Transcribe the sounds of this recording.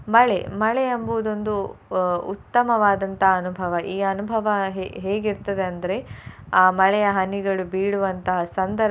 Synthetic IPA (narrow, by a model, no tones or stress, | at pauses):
mɐɭemɐɭɛjɐmbud̪o̞nd̪u | ṵt̪ːɐmɐʋaːd̪ɐnt̪ɐɦːnubʱɐʋɐʔiːɐnubʱɐʋɐɦɦeːɡiɾt̪ɐd̪eɐnd̪ɐɾe̞aːmɐɭɛjɐɦɐniɡɐɭubiːɽuʋɐnt̪ɐɦɐsɐnd̪ɐɾ